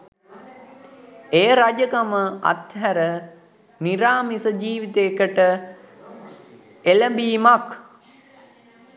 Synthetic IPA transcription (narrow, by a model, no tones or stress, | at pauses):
ejəɾad͡ʒəkaməa̰t̪ɦæɾə | niɾaːmisəd͡ʒiːʋit̪eːkəʈə | eləmbiːmak